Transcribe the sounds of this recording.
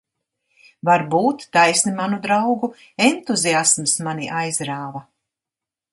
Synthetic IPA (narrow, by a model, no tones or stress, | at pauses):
vaɾbuːt̪ːajsnimanud̪ɾawɡu | ent̪uziasmsmaniʔajzɾaːva